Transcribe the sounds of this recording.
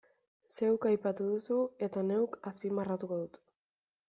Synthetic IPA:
se̞wkajpat̪uðusue̞t̪ane̞wkaspimarat̪uko̞ðut̪

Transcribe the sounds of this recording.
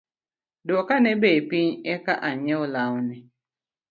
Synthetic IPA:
dokanɛbepiɲɛkaʔaɲɛɔlawnɛ

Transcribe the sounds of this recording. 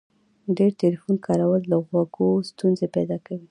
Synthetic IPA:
ɖeɾʈelifunkɑɾawəld̪aɣwaɡost̪unzepɛjd̪ɑkawi

